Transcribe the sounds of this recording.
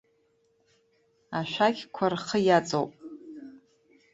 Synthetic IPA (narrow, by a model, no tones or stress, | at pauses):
aʃʷᶣakʲkʷʰarχəjat͡sʼowpʼ